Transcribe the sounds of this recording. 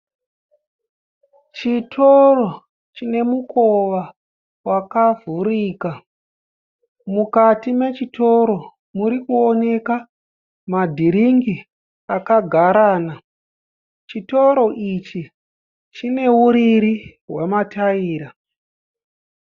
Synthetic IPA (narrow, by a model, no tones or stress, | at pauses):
t͡ʃitʰoro̞ | t͡ʃine̞mukoʋa | wakavʱuɾiːka | mukatime̞t͡ʃito̞ɾo̞ | muɾikuone̞ka | madʱiɾiŋɡi | akaɡʱaɾaːna | t͡ʃito̞ɾo̞ʔit͡ʃi | t͡ʃine̞uɾiɾiɦwemataiːɾa